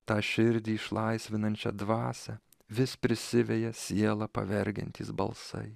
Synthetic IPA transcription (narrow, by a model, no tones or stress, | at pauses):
t̪ɑːʃʲɪɾʲd̪ʲiːɪʃlˠɐɪsʲʋʲɪnɐnʲt͡ʃʲɛ̰d̪ʋɑːsʲɛ | ʋʲɪspʲɾʲɪsʲɪʋʲɛjɛsʲiɛlˠɑpɐ̰ʋʲɛɾʲɡʲɛ̰nʲt̪ʲiːsbɐ̰lˠsɐ̰ɪ